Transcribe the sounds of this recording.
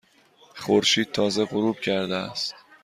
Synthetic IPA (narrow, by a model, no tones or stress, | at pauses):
χoɾʃiːd̪̥̚t̪ʰɒːze̞ʁoɾuːb̥̚cʰæɾd̪eæ̰st̪